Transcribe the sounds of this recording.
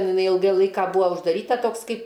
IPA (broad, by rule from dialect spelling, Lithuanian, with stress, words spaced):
ˈtʲɛn ɪˈnɐɪ ˈɪlˠɡɐɪ ˈlˠɐɪkɐ ˈbʊʋoː ʊʒdɐˈrʲiːtɐ ˈtoːks ˈkɐɪp